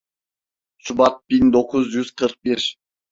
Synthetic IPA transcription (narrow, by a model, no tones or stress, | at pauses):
sʊbɑt̪̚bind̪oqəzʒyz̥qʰəɾq̚beʃ